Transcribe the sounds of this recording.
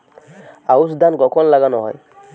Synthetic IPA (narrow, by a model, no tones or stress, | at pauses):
ausd̪ankɔkʰɔnlaɡanɔ̰ɦɔ̰j